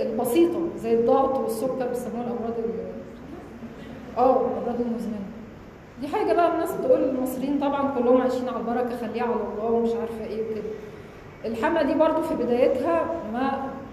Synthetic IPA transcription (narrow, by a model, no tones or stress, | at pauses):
elbɑsiːt̪ˤɑzæjːed̪ˤːɑːbt̪ˤwesːokːɑɾˤwesæmːæwælʔɑmɾˤɑːd̪ˤiw | ʔæːelʔɑmˤɾˤɑːd̪ˤilmoznænæ | d̪iːħaːɡæbæʔænːæːsbet̪ʔuːlelmɑsˤɾejiːnt̪ˤɑbʕɑnkolːohomʕajʃiːnʕalbɑɾˤɑkæxælːiːæʕalæd̪ˤɑæːwmeʃʕaːɾefhæʔeːweked̪æ | ʔelħamlæd̪iːbɑɾˤd̪ˤofibed̪æːjet̪hæmæ